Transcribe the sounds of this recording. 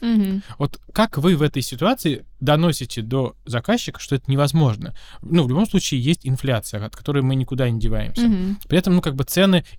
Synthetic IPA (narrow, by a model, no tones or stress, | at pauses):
vo̞t̪kakvɨvɛt̪əjsʲɪt̪ʊat̪sɨɪd̪ɐno̞sʲɪtʲɪd̪o̞zɐkaɕːɪkə̥ʂt̪o̞ɛt̪ənʲɪvɐzmo̞ʐnə̰nuvlʲʊbo̞mslˠut͡ɕɪːjesʲtʲɪnflʲat̪sɨjəɐt̪̚kɐ̥t̪o̞ɾɨjəmɨnʲɪkʊd̪anʲɪdʲɪvajɪ̰msʲəpɾʲɪɛt̪əmnukaɡ̚bɨt̪sɛnɨ